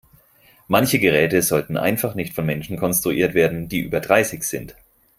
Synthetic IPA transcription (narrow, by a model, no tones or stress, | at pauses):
mançəɡəʁɛːtəzɔltn̩ʔa̰ɪnfaχnɪçtfɔnmɛnʃn̩kʰɔnstʁ̥uʔiːɐtv̥eːɐdn̩d̥iːʔy̰ːbɐdʁaɪsɪçz̥ɪnt